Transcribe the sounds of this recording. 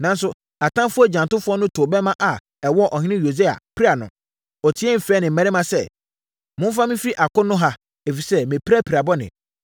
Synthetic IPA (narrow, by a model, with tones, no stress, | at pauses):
nã˨n̩˦s̬ʊ˦ | a˨tʰã˦mfʊ˦ɔ˦d͡ʑã˨n˨tʊ˦fʊ˦ɔ˦nʊ̃˦tʰo˨bɛ˦mã˦ʔa˨ | ɛ˨wɔ˦˨ʔɔ˨hɪ̃˦ɪ̃˦jo˨se˦a̰˨pʰi˦ɾa˨nʊ̰̃˨ | ɔ˨tʰi˨˦ɛ˦m̩˨fɛː˦nɪ̃˨m̩˨ɛ̃˨ɾɪ˦mã˦sɛ̰˦ | mʊ̃˦fa˦mɪ̃˦fi˦ʔa˨kʊ̃˦nʊ̃˦ɦa˦ | e˨fi˨sɛ˦mɪ̃˨pʰa˦pʰi˨ɾa˨bɔ˦nɪ̰̃˨